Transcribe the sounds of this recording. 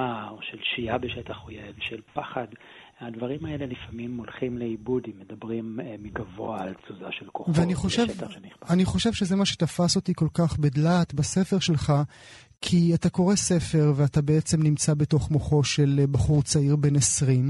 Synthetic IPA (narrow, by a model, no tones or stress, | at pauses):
aoʃelʃijabeʃet̪aχojevʃelpaχad̪ | ad̪vaʁimaelelifamimːolχimleibud̪imːed̪abʁimmiɡavo̰aːlt͡suzaʃelkoveaniχoʃetaniaaniχo̞ʃe̞vʃezemaʃe̥tafaso̞tiko̞lkaχbedlaːt̪base̞fe̞ʁʃe̞lχa | kʰiatako̞ʁese̞fe̞ʁveatabeet͡se̞mnimt͡sabe̞to̞χmoχo̞ʃelbaχuʁt͡saiʁbe̞nesʁim